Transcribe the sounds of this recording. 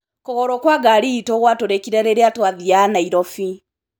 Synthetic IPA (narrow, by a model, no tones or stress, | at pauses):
koɣoɾokwaɡaliːtoɣwatoɾekiɾaɾeɾeatwaðianaiɾofi